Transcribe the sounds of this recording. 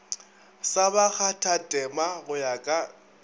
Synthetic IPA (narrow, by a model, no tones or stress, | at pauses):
sabak͡xʰatʰatʼɛmaɣʊjakʼa